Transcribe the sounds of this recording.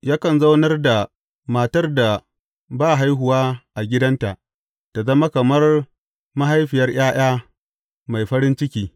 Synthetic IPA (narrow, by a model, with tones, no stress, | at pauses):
jaː˦kɐ˨nza˦wnɐ˦rda˨ | maː˨tɐ˦rda˨ | baː˦˨ɦa˦jɦʊ˨waː˦ʔa˨ɡʲɪ˦dɐ˦nta˨ʔ | ta˨zɐ˦ma˦kɐ˨mɐ˦r | ma˦ɦa˦jɸɪ˨jɐ˦rj̰aː˦j̰aː˦ | ma˨jɸɐ˦ɾɪ˦nt͡ʃɪ˦kʲiː˦